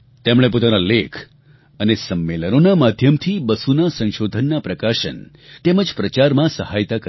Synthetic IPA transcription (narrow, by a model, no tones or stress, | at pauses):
t̪emɭ̃ep̬ot̪analekʰ | ənesəmːelənonamad̪ʱjəmt̪ʰibəsunasə̃ʃod̪ʱənːapɾəkaʃə̰n | t̪eməd͡ʒpɾət͡ʃaɾmãsəhajt̪akə